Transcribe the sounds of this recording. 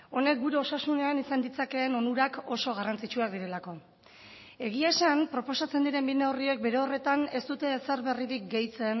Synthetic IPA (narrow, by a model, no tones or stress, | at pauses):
o̞ne̞k̚ɡuɾe̞o̞sasune̞anisand̪it͡sake̞ːno̞nuɾako̞so̞ɣ̞arant͡sit͡ʃuakd̪iɾe̞lako̞ | e̞ɣ̞iasampɾo̞po̞sat͡se̞nd̪iɾe̞mbineorie̞k̚be̞ɾe̞ore̞t̪ane̞st̪ut̪e̞ːse̞ɾβe̞riɾik̚ɡe̞jt͡se̞n